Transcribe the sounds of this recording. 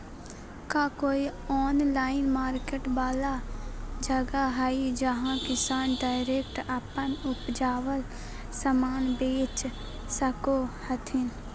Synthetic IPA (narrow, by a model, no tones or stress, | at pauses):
kaːkoːiɔːnlaːɪnmaːɾkeːʈbaːlad͡ʒəɡaɦaid͡ʒəɦãkɪsaːnɖaːɪɾeːkʈapənʊpd͡ʒaːʋəl | səmaːnbeːt͡ʃ | səkohət̪ʰɪn